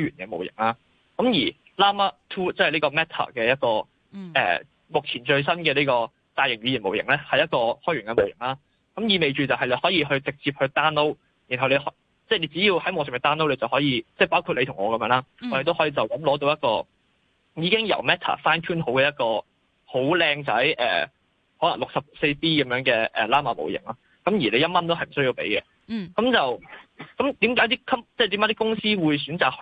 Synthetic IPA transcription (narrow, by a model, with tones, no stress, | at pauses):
ɔ˥jɥyː˨˩nkɛ˧mo˨wjɪ̰˨˩ŋlaː˥ | kɐ˨˥mjiː˨˩ | laː˥ma˥t̪ʰuː˥t͡sɐ˥hjliː˥kɔː˧mɛː˥t̪ʰa̰ː˨˩kɛː˧jɐ˥t̚kɔː˧ | ʔɛ̰ː˨˩ | mʊ˨k̚t͡sʰiː˨˩nt͡ʃɵ˧ɥs̬ɐ˥nkɛː˧liː˥kɔː˧ | t̪aː˧jɪ˨˩ŋɥyː˨˧ji˨˩mo˨wjɪ̰˨˩ŋlɛː˥hɐ˨jɐ˥t̚kɔː˧hɔː˥jɥy˨˩nkɛ˧mo˨˩wjɪ̰˨˩ŋlaː˥ | kɐ˨˥mjiː˨˧me˨jt͡ʃyː˨t͡sɐ˨whɐ˨jle˧jhɔː˨˥jiː˧ɦɵ˧ɥt͡sɪ˨k̚t͡siː˧p̚hɵ˧t̪aː˥nlo˥w | jiː˨˩nɦɐ˨wle˨˧hɔ˨˥ | t͡sɛː˥˩le˨˧jt͡siː˨˥jiː˧whɐ˨˥jŋɔː˨˧˩sɪ˨˩˨t̪aː˥nlwle˧t͡sɐ˨whɔː˨˥jiː˧t͡sɛː˥˩paː˥wkʰu˧t̚le˨˧t̪ʰʊ˨˩ŋɔː˨˧kɐ˨˧mjœː˧˥ŋlaː˥ɔ˨˧ɾe˨˧t̪o˥whɔ˨˥jiː˧t͡sɐ˨˩wkɐ˨˥mlɔː˨˥t̪o˧˥wjɐ˥tkɔ̰ː˧ | jiː˨˧˥kɪ˥ŋjɐ̰˨˩wmɛː˥t̪ʰa̰ː˨˩saː˥nkʰuː˥nho˨˧˥wkɛː˨˧jɐ˥t̚kɔː˧ | ho˨˥wlɛː˧ŋt͡sɐ˨˥jʔɛ̰ː˨˩ | hɔː˨˦˥lɐ˨˩ŋlʊ˨k̚sɐ˨p̚se˧jpiː˥kɐ˨˦mjœː˨˧˥ŋkɛː˧ʔɛ̰ː˨˩laː˥maː˨˩mo̰˨˩wjɪ̰˨˩ŋlaː˥ | kɐ˨˥mjiː˨˩le˨˧jɐ˥t̚mɐ˥nt̪o˥whɐ˨jm̩˨˩sɵ˥ji˧wpḛ˨˥jkɛ˧ | kɐ˨˧˥mt͡sɐ˨wkɐ˨˥mt̪iː˨˥mkaː˨˥jt̪iː˥kʰɐ˥p̚t͡sɛ˥˩t̪i˨˥mkaː˨˦˥t̪iː˥kʊ˥ŋsiː˥wuː˨˧js̬yː˨˥nt͡saː˨k̚h